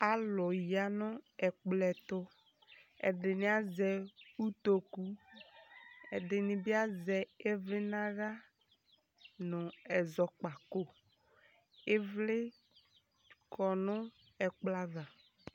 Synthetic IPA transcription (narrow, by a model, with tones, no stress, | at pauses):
a˦lʊ˨ja˨nʊ̃˦ɛ˨k͡plɛ˨t̪ʊ˦ | ɛ̰˨ɖɪ˨nɪ̃˨˦a˦zɛ˨u˦t̪o˦ku˦ | ɛ̰˨ɖɪ˨nɪ̃˨bi˦a˦zɛ˨e˦vlɪ˦nã˦ɣa˦ | nʊ̃˨ɛ˨zɔ˨k͡pa˨ko˦ | e˦vlɪ˦ | kɔ˨nʊ̃˦ | ɛ˨k͡pla˦va˨